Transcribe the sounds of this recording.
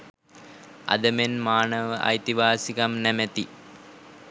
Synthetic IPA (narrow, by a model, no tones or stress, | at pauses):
ɐ̰d̪ɐmenmaːɳɐʋɨʔɐ̰jt̪iʋaːsiɣɐmnɐmɐt̪i